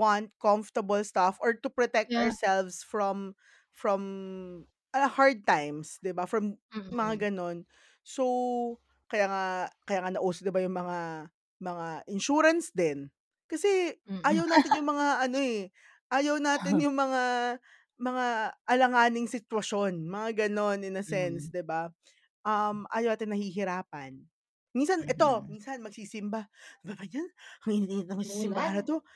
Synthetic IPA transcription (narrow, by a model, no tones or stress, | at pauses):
want̪̚koɱft̪ɐbɐlst̪afoɹt̪ʊpɹot̪ɛk̚t̪ɔɹsɛlvsfɹɔm | fɹɔm | ʔɐhaɹd̪̚t̪ajmsd̪ɪbafɹɐmmɐŋaɡɐno̞n | so | kɐjaːŋakɐjaːŋanɐʔuːsod̪ɪbajʊŋmɐŋa | mɐŋaʔɪnʃuːɾɐnsd̪ɛn | kɐsɛʔaːjɐwnaːt̪ɪnjʊŋmɐŋaʔɐno̞ɛ | ʔaːjɐwnaːt̪ɪnjʊŋmɐŋa | mɐŋaʔɐlɐŋaːnɪŋsɪt̪wɐʃo̞nmɐŋaɡɐno̞nɪnɐsɛnsd̪ɪba | ʔɐmʔa̰ːjɐwnaːt̪ɪnɐhiːɦɪɾaːpɐn | minsɐnʔɛt̪o̞minsɐnmɐɡ̚siːsɪmbababɐɲanhɐŋɪniːd̪iːnɪt̪ɐŋmɐɡsiːsɪmbaɾɐt̪o